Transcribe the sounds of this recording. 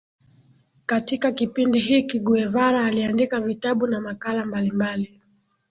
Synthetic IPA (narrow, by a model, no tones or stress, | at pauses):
katikakipindiɦikiɡuɛvaɾaːliandikavitaɓunamakalambalimbali